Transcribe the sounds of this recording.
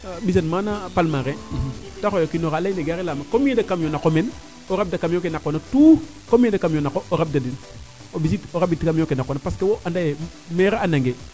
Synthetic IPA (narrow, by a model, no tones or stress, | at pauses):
bis̬anmanapalmaɾetaxojokinoɾalaineɡaɾelaːmakomiedakamjonakomen | oɾab̚dakamokenakːonatu | komiedakamjonakoʔoɾab̚dadin | obis̬itoɾabitkamokenakonapaskewoʔandaje | meɾaanaŋɡe